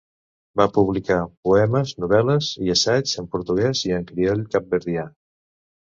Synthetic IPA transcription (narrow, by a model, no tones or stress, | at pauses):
bapuβ̞likapuɛməznuβɛləziəsazəmpuɾt̪uɣɛziəŋkɾiɔʎkap̚bəɾðia